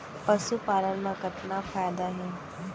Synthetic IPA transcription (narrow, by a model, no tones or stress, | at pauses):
pɐsupaːlənmãkɐʈnafʰaːjd̪aɦɛː